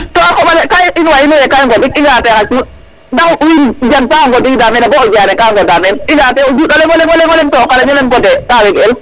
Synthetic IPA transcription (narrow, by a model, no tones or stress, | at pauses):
tɔakɔɓalɛkajinwainujɛkajŋɡɔdikiŋɡatɛkat͡ʃu | dakwind͡ʒansaŋɡɔdikdamɛnabɔɔd͡ʒanɛkaŋɡɔdamɛniŋɡatɛɔd͡ʒuɗɔlɛŋɡɔlɛŋɡɔlɛŋɡɔlɛntɔːkalaɲɛmɛnkɔdɛtawɛɡɛl